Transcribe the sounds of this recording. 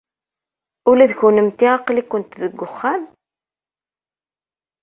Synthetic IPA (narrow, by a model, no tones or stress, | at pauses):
ulæðçunəmt̪iɑqlikːʊnt̪ðəɡʷːʊχːan